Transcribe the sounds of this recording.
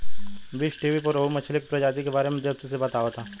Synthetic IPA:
bisʈiːʋipɐɾoumɐt͡ʃʰlɪk̚pɾɐd͡ʒaːt̪ikebaːɾemẽd̪eb̚t̪isebɐt̪aːʋat̪ʰaː

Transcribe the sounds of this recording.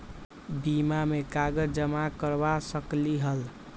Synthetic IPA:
bimamekaɡəd͡ʒd͡ʒəmakəɾbasəkliɦəl

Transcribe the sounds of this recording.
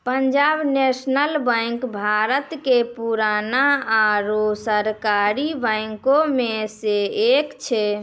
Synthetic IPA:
pəɲd͡ʒabnesnəlbajŋkbʱaɾət̪kepuɾanaaɾosəɾkaɾibəjŋkomeseekt͡ʃʰɛ

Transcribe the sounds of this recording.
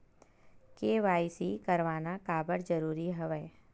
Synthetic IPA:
keːʋaːisikəɾʋaːnakaːbəɽd͡ʒəɾuːɾiɦɐʋɛː

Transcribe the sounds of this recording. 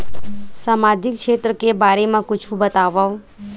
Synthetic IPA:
samad͡ʒɪkʃet̪ɾəkebaɾemãkʊt͡ʃʰũbət̪aʋaʋ

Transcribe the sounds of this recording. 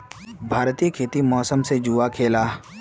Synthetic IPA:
bʱaːɾt̪iːəkʰeːt̪imɔːsəmsed͡ʒuʋakʰeːlaː

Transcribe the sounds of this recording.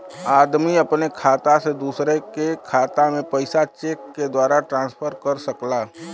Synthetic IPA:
aːd̪miəpnekʰaːt̪ased̪uːsɾekekʰaːt̪amẽpəɪsat͡ʃeːkːed̪waːɾaʈɾãːnspʰəɾkəɾsəklaː

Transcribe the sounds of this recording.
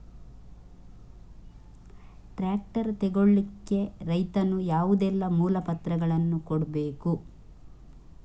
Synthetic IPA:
ʈɾaːk̚ʈɐɾt̪ɛɡoɭːikːe̞ɾɐjt̪ɐnujaːʋud̪ɛlːɐmuːlɐpɐt̪ɾɐɡɐɭɐnːukɔɽbe̞ːku

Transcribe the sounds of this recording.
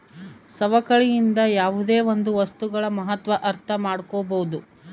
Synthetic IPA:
sɐʋɐkɐɭijind̪ɐjaːʋud̪eːʋond̪uʋɐst̪uɡɐɭɐmɐɦɐt̪ʋɐʔɐɾt̪ʰɐmaːɽkɔːboud̪u

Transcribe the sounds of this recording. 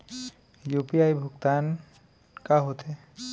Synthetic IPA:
jupiajbʱukt̪an | kaɦot̪ʰe

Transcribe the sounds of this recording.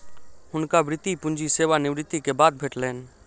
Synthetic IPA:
ɦʊnkabɾɪt̪ipʊ̃nd͡ʒiseːʋanɪʋɾɪt̪ːikebaːd̪̚bʱeːʈlɛːn

